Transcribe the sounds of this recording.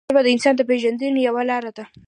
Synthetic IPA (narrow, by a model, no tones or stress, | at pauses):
bad̪əɪnsɑnd̪əpeʒand̪ənjawalɑɾad̪a